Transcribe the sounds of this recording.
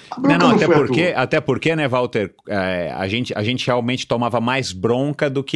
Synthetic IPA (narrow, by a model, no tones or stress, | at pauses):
nɛ̃nɐ̃w̃aat̪ɛpoɾkeat̪ɛpoɾkenɛvawt̪eɾɛɐ̰ʒẽnt͡ʃɪɐ̰ʒẽnt͡ʃɪheawmẽnt͡ʃɪ̥t̪omavɐmajzbɾõkɐd̪ʊkɪ